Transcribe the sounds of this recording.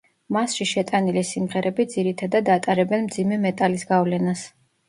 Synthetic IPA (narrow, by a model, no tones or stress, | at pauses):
masʃiʃɛt̪ʼanilisimʁɛɾʔɛbid̪ziɾit̪ʰad̪ad̪at̪ʼaɾɛbɛnmd̪zimɛmɛt̪ʼalisɡavlɛnas